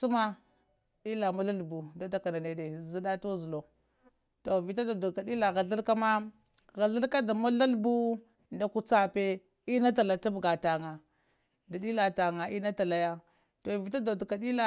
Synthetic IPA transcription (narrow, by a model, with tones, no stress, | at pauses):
su˦ma˦ | ɗi˦la˨ma˦la˦lbu˨da˨˦da˨ka˨na˨ne˨de˨zi˦da˦to˦zu˨lo˨ | to˨vi˨ta˦do˨du˨ka˨di˦la˨ɣa˨ɮi˦ɾka˦ma˦ | ɣa˨ɮi˦ɾka˦da˨ma˦la˦lbu˦ | nda˨ku˦t͡sa˦pe˦ | i˦na˦t̬a˨la˨ta˦bɡa˨ta˨ŋa˨ | da˨ɗi˦la˨ta˨ŋa˨i˦na˦ta˨la˨ja˦ | to˨vi˨ta˦do˨du˨ka˨di˦la˦